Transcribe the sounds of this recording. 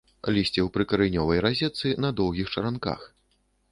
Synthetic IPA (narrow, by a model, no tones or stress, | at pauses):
lʲisʲt͡sʲɛwpɾɨkɐɾɨjnʲɔvɐjɾazʲɛt̪sɨnɐd̪ɔwɣʲixt͡ʂɐɾanka̰x